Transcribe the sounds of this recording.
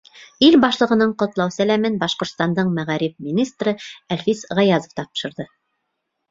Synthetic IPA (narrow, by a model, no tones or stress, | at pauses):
ilbɑʃlˠɤ̆ʁɤ̆nɤɴqŏt̪lˠɑwsælæmɘnbɑʃqŏɾt̪st̪ɑnd̪ɤɴmæʁæɾipminʲist̪rɤælfisʁɑjɑzŏft̪ɑpʃɤ̆ɾðɤ